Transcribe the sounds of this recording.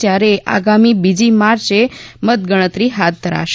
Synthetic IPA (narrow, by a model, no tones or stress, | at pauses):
jaɾeʔa̰ɡamibid͡ʑimaɾt͡ʃemət̪̚ɡəɽ̃ət̪ɾiɦat̪̚d̪ʱəɾa̰ʃ